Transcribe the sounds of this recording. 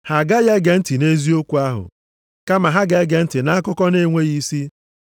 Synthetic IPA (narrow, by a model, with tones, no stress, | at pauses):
ha˨ɡa˦je˦ɡe˨n̩˦ti˨ne˦zi˦o˦kʷu˨a˦ɦʊ̰˨ | ka˦ma˨ɦa˦ɡe˦ɡe˨n̩˦tɪ˨na˦a˦kʊ˦kɔ˦ne˦ŋʷe˦ɣi˦si˦